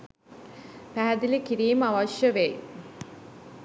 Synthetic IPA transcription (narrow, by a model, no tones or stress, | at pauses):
pæɦæd̪ilikiɾiːməaʋɐʃjəʋe